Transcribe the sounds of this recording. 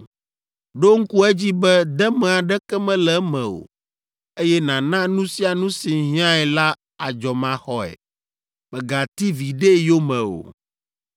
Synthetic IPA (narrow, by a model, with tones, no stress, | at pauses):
ɖo˦ŋ̩˦ku˦ɛ˦d͡ʑi˦bɛ˦d̪ɛ˦mɛ̃˨a˨ɖɛ˦kɛ˦mɛ̃˦lɛ˨˦mɛ̃˨o̰˨ | e˦jɛ˦nã˨nã˦nũ˦si˦a˨nũ˦si˨ɦĩ˦ã˦ɛ˨la˦ | a˨d͡ʒɔ˨mã˨xɔ˦ɛ̰˨ | mɛ˨ɡa˨t̪i˦vi˨ɖe˦jo˦mɛ̃˨o̰˨